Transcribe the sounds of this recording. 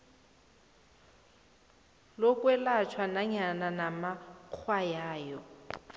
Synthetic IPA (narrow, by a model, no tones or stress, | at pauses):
lokʼwɛlat͡ʃʰwanaɲananamak͡xʰwajaːjɔ